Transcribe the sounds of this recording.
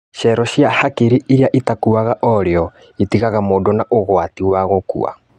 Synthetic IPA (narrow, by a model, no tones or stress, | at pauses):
ʃɛɾɔɕjahakiɾiʔiɾiaʔitakuaɣaʔɔɾeɔ | itiɣaɣamodɔnaʔoɣwatiwaɣokṵa̰